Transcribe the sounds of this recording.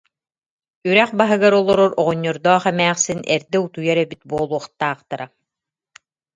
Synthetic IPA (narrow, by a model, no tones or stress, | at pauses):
yɾɛχbaɦɯɡaɾɔlˠɔɾɔɾɔʁɔɲːɔɾd̪ɔːχɛmæːχsinʔɛɾd̪ɛut̪ujaɾɛbit̪̚buɔːlˠuɔχt̪aːχt̪aɾa